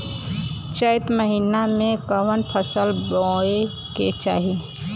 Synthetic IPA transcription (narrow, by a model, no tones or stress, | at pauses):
t͡ʃəɪt̪məɦinamẽkəʋənpʰəsəlbɔe | ket͡ʃa̰ːɦi